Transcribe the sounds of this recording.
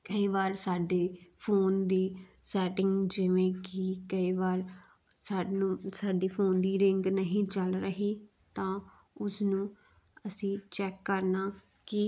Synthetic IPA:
kəiːʋaːɾsaːɖeːpʰoːnd̪iːsɛːʈɪ̃ŋɡd͡ʒɪʋẽːkɪkəiːʋaːɾ | saːnũːsaːɖiːpʰoːnd̪iːɾɪŋɡnəɦĩːt͡ʃəlɾəɦiː | t̪ãː | ʊsnũː | əsĩːt͡ʃɛːkːəɾnaː | kɪ

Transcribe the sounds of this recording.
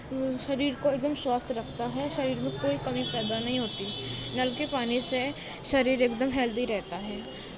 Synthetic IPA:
ʃɐɾiːɾkoeːk̚d̪əmswaːst̪ʰɾɐkʰt̪aɦɛʃɐɾiːɾmẽkoːikɐmipɛːd̪anɐɦĩɦoːt̪inɐlkepaːnise | ʃɐɾiːɾeːkd̪əmɦɛːld̪iɾɛɦt̪aɦɛː

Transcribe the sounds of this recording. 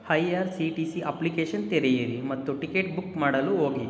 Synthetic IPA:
hɐjaːɾsiʈisiʔɐplikeːʃɐnt̪eɾɛjɐɾimɐt̪ːuʈikeːʈ̚bukmaːɽɐluɦoːɡi

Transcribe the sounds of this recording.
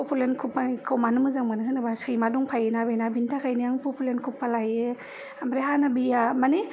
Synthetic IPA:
pɔpulenkʰupːankʰawmanɯmɯzaŋmanɯsʰɯnabasɯjmadɔŋpʰajenabenabintʰakʰajniaŋpɔpulenkʰupːalaje | amɾeɦanabijamani

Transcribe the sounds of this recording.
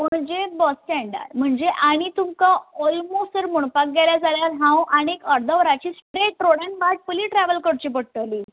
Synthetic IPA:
m̤əɳd͡ʑebɔst͡ɕɛ̃ɳɖə̰ɾɾm̤əɳd͡zeʔaɽ̃it̪umkaɔlmosəɾmuɳpak̚ɡeljad͡zʱaljalɦãwʔaɽ̃iekəɾd̪ʱəʋɾat͡ɕiːspɾeʈːɾoɽjãnbaʈ̚pəliːʈɾæʋəlkəɽt͡ɕip̬əɽ̚t̪əliː

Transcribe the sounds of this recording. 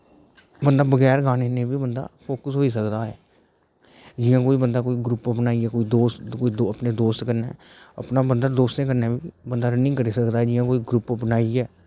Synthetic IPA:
bənd̪aːbəɡɛːɾɡaːneːnẽːbiːbənd̪a̰ːpʰoːkəsɦoːiːsəkd̪aːɦɛ̰ː | d͡ʒɪjãːkoːiːbənd̪aːkoːiːɡɾʊpbənaːiɛːkoːiːd̪oːst̪koːid̪oəpneːd̪oːst̪kəɾneː | ə̰pnaːbənd̪aːd̪oːst̪ẽːkəɾnaːbiːbənd̪aːɾənɪ̃ːkəɾiːsəkd̪aːɦɛːd͡ʒɪjãːkoːiɡɾʊpbənaːiɛː

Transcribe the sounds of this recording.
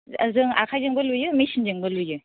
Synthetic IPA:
zɯŋa̰kʰajzɯŋbɐlujɯmejsʰind͡ʒɯŋbɐlujɯ

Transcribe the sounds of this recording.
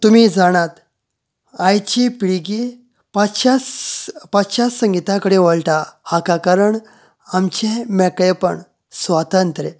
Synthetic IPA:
t̪umiːd͡zaɽ̃ãt̪ | ajt͡ɕipiɽɡi | paɕaspat͡sɕasə̃ŋɡit̪ãkəɽẽʋəɭʈahakakaɾəɳ | amt͡ɕẽmɛkɭepə̰ɳ | sʋat̪ənt̪ɾe

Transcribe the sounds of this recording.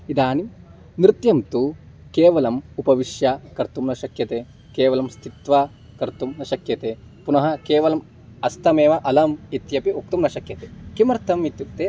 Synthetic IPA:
id̪aːnim | nɾɪt̪jɐmt̪u | keːʋɐlɐmupɐʋiʃjɐkɐɾt̪umnɐʃɐkjɐt̪eː | keːʋɐlɐmst̪ʰit̪ʋɐ | kɐɾt̪umnɐʃɐkjɐt̪eː | punɐɦɐkeːʋɐlɐm | ɐst̪ʰɐmeːʋɐʔɐlɐmit̪jɐpiok̚t̪umnɐʃɐkjɐt̪eːkimɐɾt̪ʰɐmit̪juk̚t̪eː

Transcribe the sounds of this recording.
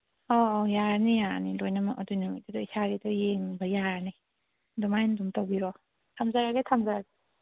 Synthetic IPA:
ɔjaɾnijanilojnamaʔɔdunɯŋa̰jtidɔisaɾidɔjeŋbajaɾni | dumajndumtawbiɾɔ | tʰamzaɾaɡetʰamzaɾaɡe

